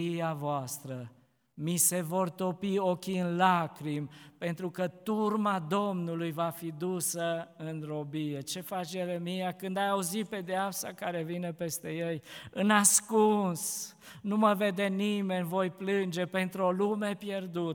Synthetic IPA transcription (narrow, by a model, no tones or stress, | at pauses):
ijavoast̪ɾə | mise̞vo̞rt̪o̞pio̞kʲiɨnlakɾimpe̞nt̪ɾukət̪urmad̪o̞mnulujvafid̪usəɨnro̞bije̞t͡ʃe̞fat͡ʃjelemijakɨnd̪ajauzipe̞d̪eapsa̰kaɾe̞vine̞pe̞st̪e̞jejɨnaskuns | numəve̞d̪e̞nime̞nʲvo̞jplɨnd͡ʒe̞pe̞nt̪ɾo̞lume̞pje̞rd̪ut̪